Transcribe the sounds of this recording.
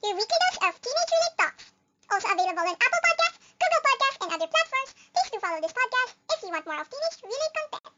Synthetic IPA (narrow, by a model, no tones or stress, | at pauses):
juɹiklidəsɔv̥tʰĩned͡ʒɹilitɔ̰ks | ʔɔlˠsoʊəveɪləbəl̩ˠɪ̃næpl̩ˠpɔd̚kæsts | ɡ̥uɡlˠpɔd̚kæstɛ̃nʌðəɹpʰlætfɔɹmsplisdufɑloʊd̪ɪspɔd̚kæstɪfjuwɑ̃nt̚mɔːɹɔv̥tĩned͡ʒɹilˠikɔ̃mpɛ̰̃n